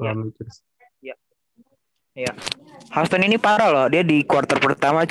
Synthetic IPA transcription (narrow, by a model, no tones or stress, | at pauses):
lamid͡ʒs | ja | ja | hast̪ɔninipaɾalɔhdiadikuart̪ərpərt̪amat͡ʃ